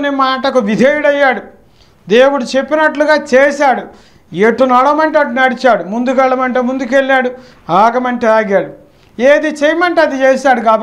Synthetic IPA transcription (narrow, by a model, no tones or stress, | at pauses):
unemaːʈɐkuʋid̪ʱeːjuɽɐjːaːɽu | d̪eːwuɽut͡ʃe̞pːinɐʈluɡaːt͡ʃeːʃaːɽu | eʈːunɐɽɐmɐɳʈeɐʈːunɐɽit͡ʃaːɽumund̪ukɛɭːɐmɐɳʈeːmund̪ukelːaːɽu | aːɡɐmɐɳʈeaːɡaːɽu | eːd̪it͡ʃejmɐɳʈeɐd̪it͡ʃeːsaːɽuɡaːbɐ